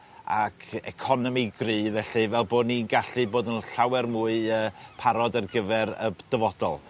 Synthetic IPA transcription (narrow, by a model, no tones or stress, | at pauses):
akʰɛ̰kʰɔnɔmiɡrivɛɬivɛlˠboːdninɡaɬɨboːdənɬawɛrmuːɨəːpʰaɾɔdərɡəvɛɾə̰d̥əvɔd̥ɔ̰lˠ